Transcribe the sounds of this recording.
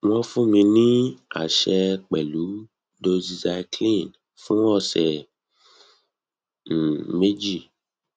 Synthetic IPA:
wɔ̃˧˦fũ˦mĩ˧nĩ˦a̰˨ʃɛ˧k͡pɛ˨lu˨˦ | do˧zi˧za˧i˧klĩ˦˨n | fũ˦wɔ˦˨sɛ˨ | me˦d͡ʒi˦˨

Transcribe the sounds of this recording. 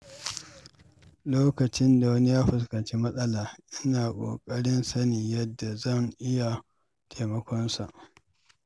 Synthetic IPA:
loː˦kɐ˨t͡ʃɪ˦nda˨wɐ˦ni˦jaː˦ɸʊ˨s̬kɐ˨nt͡ʃi˦mɐ˦sʼɐ˦laː˨ʔɪ˦naː˨kʷʼo̰ː˨kʼɐ˦ɽɪ˦nsɐ˦ni˨jɐ˦dːa˨zɐ˦˨ŋʔɪ˦ja˨ | tʰa˨mɐ˦kʷɔ˦nsa˨ʔ

